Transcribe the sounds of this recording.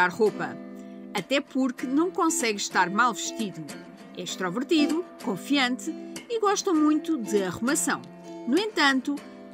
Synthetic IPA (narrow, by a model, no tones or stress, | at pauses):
aɾʁopɐ | ɐt̪ɛpuɾkɨnɐ̃w̃kõsɛɣʃt̪aɾmalˠvɨʃt̪iðu | ɛʃt̪ɾɔvɨɾt̪iðu | kõfiɐ̃nt̪ɨiɣɔʃt̪ɐ̃mũj̪̃t̪uðɨɐʁumɐsɐ̃w̃ | nuẽnt̪ɐ̃nt̪u